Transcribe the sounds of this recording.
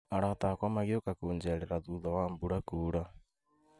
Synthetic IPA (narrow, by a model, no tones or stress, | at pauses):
aɾatakwamaɣiokakoːnd͡ʒɛɾeɾaðuðɔwambuɾakuːɾa